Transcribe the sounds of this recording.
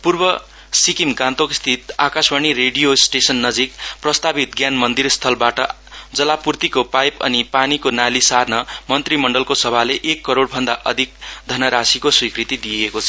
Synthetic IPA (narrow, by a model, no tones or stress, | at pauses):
purbʌ | sikimɡãnt̪okst̪ʰit̪akasbʌñiɾeɖijosʈesʌnːʌd͡zikprʌst̪abit̪̚ɡjanmʌnd̪irst̪ʰʌlbaʈʌ | d͡zʌlapurt̪ikopajpʌ̰nipanikonalisarnʌmʌnt̪rimʌɳɖʌlkosʌbʱaleʔekːʌɾoɽbʱʌnd̪aʔʌd̪ʱik̚d̪ʱʌnʌɾasikoswikrit̪id̪ijekot͡sʰʌ